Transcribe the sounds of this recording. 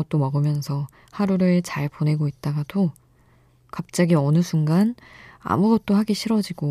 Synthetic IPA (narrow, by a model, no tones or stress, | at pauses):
ʌt̚t͈omʌɡɯmjʌnsʰʌ | haɾuɾɯɭt͡ɕaɭpone̞ɡoit̚t͈aɡado | kap̚t͡ɕ͈aɡiʌnɯsʰuŋɡana̰muɡʌt̚t͈ohaɡiɕʰiɾʌd͡ʑiɡo